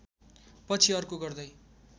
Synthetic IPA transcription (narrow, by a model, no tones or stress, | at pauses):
pʌt͡sʰiʌrkoɡʌrd̪ʌj